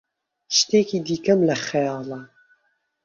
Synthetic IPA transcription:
ʃt̪eːkiːd̪iːkɐmlɐχejɑːlɐ

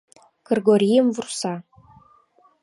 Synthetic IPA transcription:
k̆rʲɡoɾʲijəmvursɑ

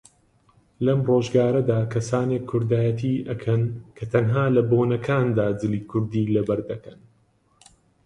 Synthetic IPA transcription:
lɐmroːʒɡaːɾɐd̪aːkʰɐsaːneːkʰːʊɾd̪aːjɐt̪ʰiːʔɐkʰɐnkʰɐt̪ʰɐnɦaːlɐboːnɐkʰaːnd̪aːd͡zɨliːkʰʊɾd̪iːlɐbɐɾd̪ɐkɐn

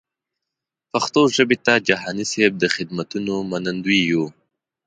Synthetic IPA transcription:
paxt̪oʒəbet̪ad͡ʒaɦaːniseb̚d̪əxɪd̪mat̪unomanand̪uiju

